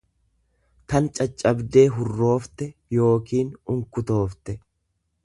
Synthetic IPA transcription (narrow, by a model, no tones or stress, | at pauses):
t̪ɐnt͡ʃʼɐt͡ʃʼːɐbd̪e̞ːɦʊrːo̞ːft̪ɛjo̞ːkiːnʊŋkʊt̪o̞ːft̪ɛ